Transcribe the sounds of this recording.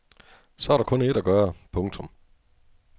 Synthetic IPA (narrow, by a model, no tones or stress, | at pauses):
sɒæɐɾɑ̈kʰɔ̽ne̝dæɡ̥ɶɐpʰɔ̽ŋt͡sʰɔ̽m